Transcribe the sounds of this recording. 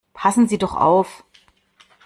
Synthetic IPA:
pʰasn̩ziːdɔχʔa̰ʊf

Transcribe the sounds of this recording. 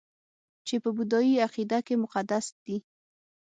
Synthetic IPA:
t͡ʃepəbʊd̪ɑjiaqid̪akemʊqad̪asd̪̥i

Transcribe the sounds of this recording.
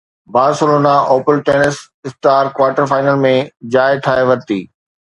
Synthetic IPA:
baːsʊɾoːnaʔoːpəlʈeːnɪs | ɪsʈaːɾkʋaːʈəɾfaːɪnəlmẽd͡ʑaːɪʈ̪ʰaːeʋɐɾt̪iː

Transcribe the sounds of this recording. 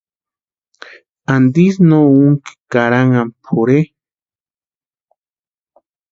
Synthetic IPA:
and̪is̬nouŋki̥kaɾaŋampʰoɾe

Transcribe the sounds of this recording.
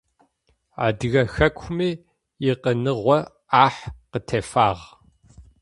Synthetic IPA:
a̰ːdɨɣɐxɐkʷʰmiː | jɪqənɨʁʷɔ | aːħqətʰeːfaːʁ

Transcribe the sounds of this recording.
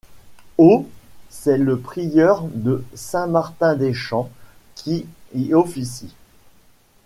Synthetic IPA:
osɛləpχijœʁd̪əsɛ̃maʁt̪ɛ̃d̪eʃɑ̃ | kʲʰiiɔfisi

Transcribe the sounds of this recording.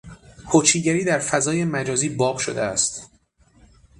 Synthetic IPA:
hʰot͡ʃʰiːɟæɾiːd̪æɾfæzɒːje̞mæd͡ʒɒːziːbɒːbʃod̪eæst̪

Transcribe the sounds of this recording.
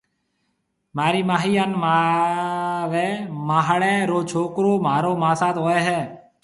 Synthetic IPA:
maːɾiːmaːɦiːanma | ʋeːmaːɦɽẽːɾoːt͡ʃʰoːkɾoːmaːɾoːmaːsaːt̪ɦoːeːɦɛː

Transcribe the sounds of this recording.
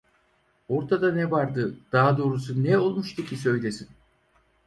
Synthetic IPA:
o̞ɾt̪ʰad̪anɛvaɾd̪ɯd̪̥aɦad̪o̞ːɾusunɛo̞lˠmuʃt̪ʰucʰisø̞jlesin

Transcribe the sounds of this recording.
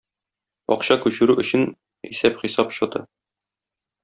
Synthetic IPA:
ɒ̰qɕɑkʉɕɘ̆ɾʉʔɵ̆ɕɘn | ḭsæpχisɑpɕŏd̪ɤ

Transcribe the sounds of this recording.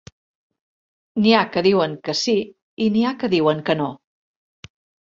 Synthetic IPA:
niakəðiwəŋkəsi | iniakəðiwəŋkəno

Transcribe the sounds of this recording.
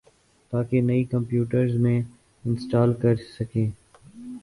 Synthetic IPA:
t̪aːkenɐikə̃mpjuːʈəɾzmẽː | ɪ̃nsʈaːlkəɾsəkẽː

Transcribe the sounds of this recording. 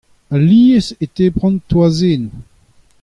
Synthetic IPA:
aliːəset̪epʁɑ̃nt̪wazen

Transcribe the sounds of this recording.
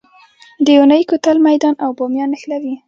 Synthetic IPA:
d̪əunəjkut̪almajd̪ɑnʔawbɑmjɑnəxlawi

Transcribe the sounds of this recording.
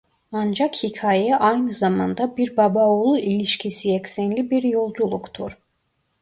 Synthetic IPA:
and͡ʒakhicʰaːjɛʔajnɯzamand̪abiɾbabaolˠuʔilʲiʃcʰisijɛcsɛnlʲibiɾjo̞lˠd͡ʒulˠukt̪ʰṵɾ̥

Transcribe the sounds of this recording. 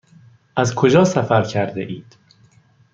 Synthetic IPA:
ʔæzkʰod͡ʒɒːsæfæɾcʰæɾd̪ḛʔiːd̪̥

